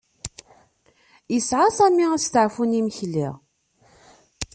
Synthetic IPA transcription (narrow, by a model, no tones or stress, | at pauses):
isʕasæmiæst̪əʕfuniməçlḭʁ